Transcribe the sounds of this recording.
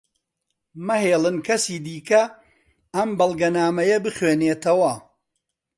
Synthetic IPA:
mɐɦeːlˠɨnkʰɐsiːd̪iːkɐ | ɐmbɐlˠɡɐnaːmɐjɐbɨχweːneːt̪ɐwɐ

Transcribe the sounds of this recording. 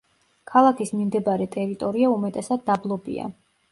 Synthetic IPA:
kʰalˠakʰismimd̪ɛbaɾɛt̪ʼɛɾit̪ʼɔɾiaumɛt̪ʼɛsad̪̚ːablˠɔbḭa̰

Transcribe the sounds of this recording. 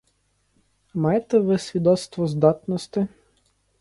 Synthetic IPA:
mɑjet̪ɛʋɪsʲʋʲid̪ɔt̪st̪ʋɔzd̪ɑt̪nɔst̪ɪ

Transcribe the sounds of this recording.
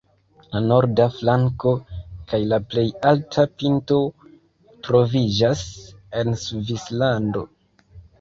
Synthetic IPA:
lano̞ɾdaflaŋko̞kajlaple̞jaltʰapinto̞ | tɾo̞vid͡ʒase̞nsuvislando̞̰

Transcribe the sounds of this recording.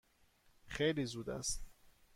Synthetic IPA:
xejliːzuːd̪æ̰st̪

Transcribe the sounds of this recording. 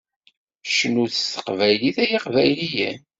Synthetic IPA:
ʃənuθəsə̥qvæjliθæjiqvæjlijæn

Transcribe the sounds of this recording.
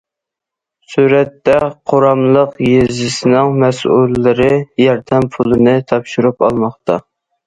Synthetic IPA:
suɾɛt̪ːɛqʰoɾɑmlˠəqjezɪsɪnɪŋmɛsulːɪɾɪjɑɾd̪ɛmpʰulˠɨnɨt̪ʰɑpʃuɾupɑlˠmɑχt̪ɑ

